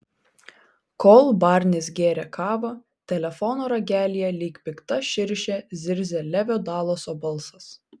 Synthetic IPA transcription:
koːlˠbɑːˑɾʲnʲɪsɡʲeːɾʲɛkɑːʋɐ | t̪ʲɛlʲɛfɔnoːɾɐɡʲæːlʲijɛlʲiːkpʲɪkt̪ɐʃʲɪɾʲʃʲeːzʲɪɾʲzʲɛlʲæʋʲoːd̪ɑːlˠoːsoːbɐlˠsɐs

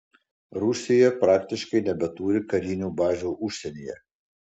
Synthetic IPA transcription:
ɾʊsʲɪjɛpɾɑːkt̪ʲɪʃkɐɪnʲɛbʲɛt̪uːɾʲɪkɐɾʲiːnʲuːbɑːʒʲuːʔʊʃʲsʲɛnʲijɛ̰

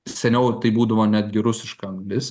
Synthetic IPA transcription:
sʲɛnʲɛʊt̪ɐɪbuːd̪ɐʋoːnʲæːd̪ʲɡʲɪɾʊsʲɪʃkɐɐŋɡlʲɪs

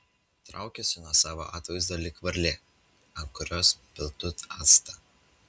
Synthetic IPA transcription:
t̪ɾʔɑˑʊkʲɛsʲɪnuɔsɑːʋo̰ːʔɑ̰ːt̪ʋɐɪzd̪ɐlʲɪkʋɐɾʲlʲe | ɐnkʊɾʲoːspʲɪlˠt̪ʊt̪ɑːt̪st̪ɑ

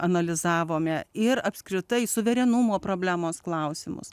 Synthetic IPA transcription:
ɐnɐlʲɪzɑːʋoːmʲɛɪɾɐpʲsʲkɾʲɪt̪ɐɪsʊʋʲɛɾʲɛnʊmoːpɾoːbʲlʲæːmoːsklˠɐʊsʲɪmʊ̰s

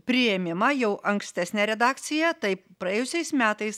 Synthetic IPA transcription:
pʲɾʲɪjɛmʲɪmɐjɛʊʔɐŋksʲt̪ʲæsʲnʲæːɾʲɛd̪ɑːkt̪sʲɪjɛt̪ɐɪpɾɐjɛːjʊsʲɛɪsmʲæːt̪ɐɪs

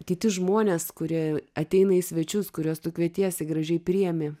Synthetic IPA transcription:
tʲiːt̪ʲɪʒmoːnʲeːskʊɾʲiɛɐt̪ʲɛɪnɐɪsʲʋʲɛt͡ʃʲʊskʊɾʲuɔːst̪ʊkʋʲiɛt̪ʲiɛsʲɪɡɾɐʒʲɛɪpʲɾʲiɛmʲeː

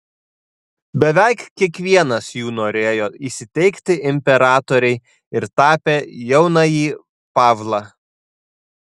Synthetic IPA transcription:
bʲɛʋʲæˑɪkkʲiɛkʋʲiɛnɐsjuːnoːɾʲeːjoːisʲɪt̪ʲɛɪkt̪ʲɪʔɪmʲpʲɛɾɑːt̪oːɾʲɛɪ | ɪɾt̪ɑːpʲeːjɛʊnɑjiː | pɑːʋlˠɑː

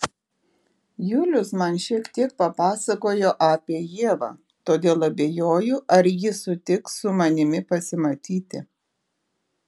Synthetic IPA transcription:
jʊlʲʊsmɐnʃʲiɛkt̪ʲiɛk̚pɐpɑːsɐkoːjoːʔɑːpʲiɛjiɛʋɑ̰ː | t̪oːd̪ʲeːlˠɐbʲeːjoːjʊʔɐɾjɪsʊt̪ʲɪkssʊmɐnʲɪmʲɪpɐsʲɪmɐt̪ʲiːt̪ʲɪ̰

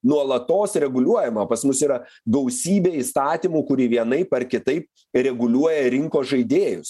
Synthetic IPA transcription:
nuɔlˠɐt̪oːsɾʲɛɡʊlʲuɔjɛmɐpɐsmʊsiːɾɐ | ɡɐʊsʲiːbʲeːiːst̪ɑːt̪ʲiːmuːkʊɾʲiʋʲiɛnɐɪpɐrkʲɪt̪ɐɪp̚ | ɾʲɛɡʊlʲuɔjɛɾʲɪŋkoːsʒɐɪd̪ʲeːjʊs

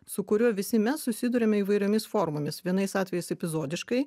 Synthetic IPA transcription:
sʊkʊɾʲuːʋʲɪsʲɪmʲɛssʊsʲɪd̪ʊɾʲɛːmʲɛiːʋɐɪɾʲoːmʲɪsfoːɾmoːmʲɪsʋʲiɛnɐɪsɑːt̪ʲʋʲɛjɛɪsɛpʲɪzoːd̪ʲɪʃkɐɪ

